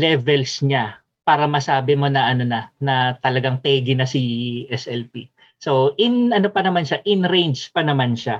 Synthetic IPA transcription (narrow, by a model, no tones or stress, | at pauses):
lɛvɛlsɲa | paːɾɐmɐsaːbɪmo̞nɐʔɐno̞nɐnɐt̪ɐlɐɡaŋt̪ɛːɡɪnɐsiʔɛsʔɛlpi | soʔɪnɐnopɐnɐmanʃaʔɪnɾejnd͡ʒpɐnɐmanʃa